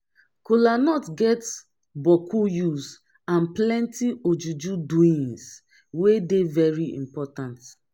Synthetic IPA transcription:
kulanɔtɡɛt | bɔkʰujus | ãnplɛ̃ntiod͡ʒud͡ʒuduĩns | wedevɛɹiḭ̃mpɔtãnt

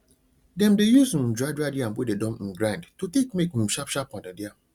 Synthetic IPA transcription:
dɛ̃mdejusũn̩d͡ʒadadɪam̩pʊdedɔ̃m̩̃ɡɾãndtʰutʰekmẽkmũm̩ʃapʃapʰɔ̃ndadɪa

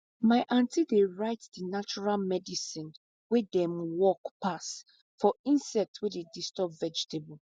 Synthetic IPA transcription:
maɪʔãntʰideɹaɪtdinat͡ʃuɹalmɛdisĩn | wedɛ̃mwɔkpas | fɔĩnsɛk̚twededistɔpvɛd͡ʒitʰebul

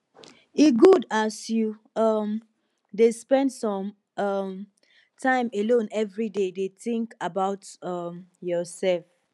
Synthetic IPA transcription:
iɡudasju | ʌm | despɛ̃ndsɔ̃m | ʌm | tʰãɪ̃melõnɛvɹidedeθɪ̃ŋkabaʊtʌmjɔsɛlf

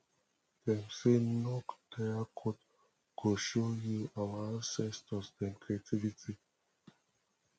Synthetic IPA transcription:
dɛ̃msenɔkd̥ɛakʰot | koʃojuawaãnsɛstɔsɛ̃nkɹiatʰivitʰi

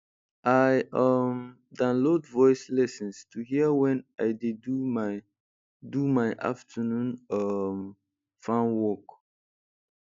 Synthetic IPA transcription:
ʔaɪʌm | dãnlodvɔɪslɛsɔ̃nstʰuhiəwɛ̃naɪdeduma | dumaɪʔa̰ftʰənũnʌm | fãnwɔk

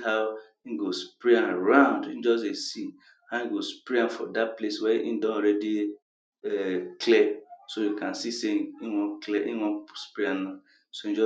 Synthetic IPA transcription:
haʊ | in̩ɡospɾiãnɾãʊ̃ndin̩d͡ʒɔs̬esin | haĩɡospɾiãnfɔ̰dat̚pleswɛḭndɔ̃nɔɾɛdi | ɛkʰlɛsojukãnsisemiwɔ̃klɛʔiwɔ̃spɾiana | soin̩d͡ʒɔ

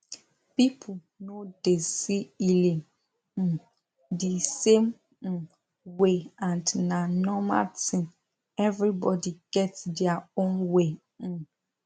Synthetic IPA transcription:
pipʰ | nod̥esiilẽŋ̩ | disẽm̩ | weãndnãnɔma̰ltɪ̃ŋ | ɛvɹibɔdiɡ̥ɛtdɛaõnwẽ

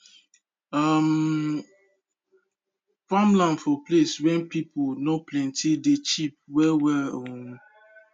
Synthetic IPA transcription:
am | famlãnfɔpleswɛ̃npipʰonɔplɛ̃ntidet͡ʃip̚wɛwɛŋ

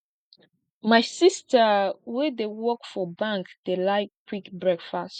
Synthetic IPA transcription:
majsistəwɛdewɔkfɔbãŋkd̥elaɪt̚kʰwikbɹɛkfast

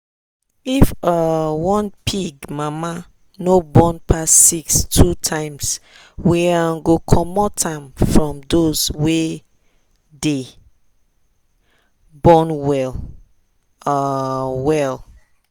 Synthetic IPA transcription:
ifəwɔ̃npʰiɡmama | nobɔ̃npʰasːikstʰutʰãɪ̃ms | wiaɡokʰɔmɔtʰãɪmfɹɔ̃mdozwe | de | bɔnwɛl | wɛl

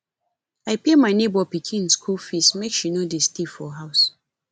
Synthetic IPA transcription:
aɪpemaɪnebɔpikʰĩnskʰulfismekʃinodistifɔɦaʊs

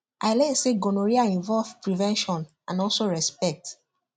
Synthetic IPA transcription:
ʔaɪlɛnseɡonoɹiaĩɱvɔlvpɹivɛ̃nʃɔ̃n | ãnɔlsoɹɛspɛk̚t

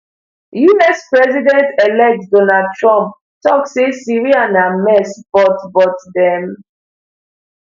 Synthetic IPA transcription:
junɛspɹɛzidɛ̃ntɛlɛk̚tdɔnad̚tɹɔ̃mp̚ | tɔksesiɹianãmɛsb̥ɔtbɔtdɛ̃m

